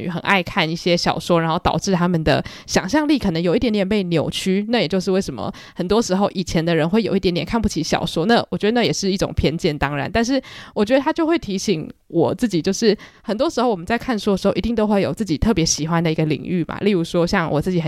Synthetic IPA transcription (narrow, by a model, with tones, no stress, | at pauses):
xə˨˩nʔa̰˥˧ɪkʰa˥˧ni˥˩ɕjɛ˦˥ɕjɑ˨˩ʊʂwɔ˥ɻa˧˥nxo˥˩ʊt̪ɑ̰˨˩ʊʈ͡ʂɻ̩˥˩t̪ʰa˥mə˨nd̪ə̰˩ | ɕjɑ˨˩ŋɕjɑ˥˧ŋli˥˩kʰɤ˨˩nə˧˥ŋjo˨˩i˥t̪jnd̪jɛ˨˩npe˥˩ɪnjo˨˩ʊt͡ɕʰy˥na˥˩jɛ˨˩t͡ɕjo˥˧ʂ̬ɻ̩˥˧we˥˩ɪʂə˧˥mə̰˨ | hə˨˩nt̪wɔ˥ʂɻ̩˧˥xo˥˧ʊʔi˨˩t͡ɕʰjɛ˧˥nd̪ə˧ɻə˧˦nxwe˥˩ɪjo˨˩ʊi˥˩jt̪jɛ˨˩nkʰnp̬u˥˩t͡ɕʰi˧˥ɕjɑ̰˨˩ʊʂwɔ˥na˥˩wɔ˨˩t͡ɕɥɛ˧d̪ə˧na˥˩jɛ˨˩ʂɻ̩˥˧i˥˩ʈ͡ʂʊ̰˨˩ŋpʰjɛ˥nt͡ɕjɛ˥˩nt̪ɑ˥ŋɻa̰˧˥nt̪a˥˧nʂ̬ɻ̩˥˩wɔ˨˩t͡ɕɥɛ˧˥d̪ə˧t̪ʰa˥t͡ɕjo˥˧ʊxwe˥˩ɪt̪ʰi˧˥ɕi˨˥ŋwɔ˨˩t͡s̩˥˩t͡ɕi˨˩t͡ɕjo˥˧ʊʂɻ̩˥˩xə˨˩nt̪wɔ˥ʂɻ̩˧˥o˩ʊwɔ˨˩mə˦nt͡sa˥˧ɪkʰa˥˩n˩ʂwɔ˥də˩ʂɻ̩˧xo˥˩ʊi˧t̪i˥˧ŋt̪o˥ʊxwe˥˩ɪjo˨˩ʊt͡sɹ̩˥˩t͡ɕi˨˩t̪ʰɤ˥˩pjɛ˧˥ɕi˨˩xwa˦nd̪ə˨i˧˥ɡə˧lḭ˨˩˦ŋy˥˩ma̰˨˩li˥˩ɻu˧˥ʂwɔ˥ɕjɑ˥˩ŋwʔɔ˨˩t͡sɹ̩˥˩t͡ɕi˧˥xə˨